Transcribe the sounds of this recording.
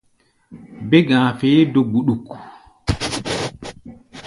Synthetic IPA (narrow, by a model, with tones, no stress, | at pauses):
bɛ˦ɡãː˨feː˦do˨ɡu˨ɗu˨k